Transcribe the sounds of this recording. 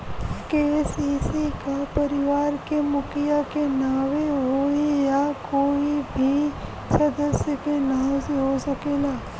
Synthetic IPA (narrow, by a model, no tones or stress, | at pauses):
kesiːsikapɐɾɪʋaːɾkemʊkʰɪjakenaːʋeɦoːejakoːibʱi | sɐd̪əsjəkenaːsɦosɐkeːlaː